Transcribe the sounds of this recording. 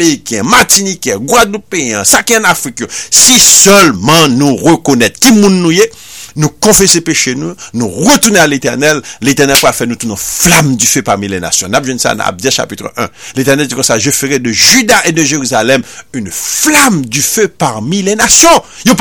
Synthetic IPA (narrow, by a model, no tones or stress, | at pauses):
meʁikɛ̃mat̪inikɛ̃ɡwad̪lũpeiãsakiɑ̃nafʁikjosisœlmɑ̃nũʁəkonɛt̪kimũnːũje | nũkɔ̃fesepeʃenũnũʁət̪unealet̪ɛʁnɛlːet̪ɛʁnɛlpʁalfɛnũt̪unɔ̃flamdyføpaʁmilɛ̰na̰sjɔ̃napʒwɛ̃nsa̰d̪ã̰a̰b̚d̪ɛʃa̰pit̪ʁə̰ʔɛ̃let̪ɛʁnɛld͡zikɔ̃saʒəføʁed̪əʒyd̪aʔed̪əʒeʁyzalɛmynflamdyføpaʁmilɛnasjɔ̃jop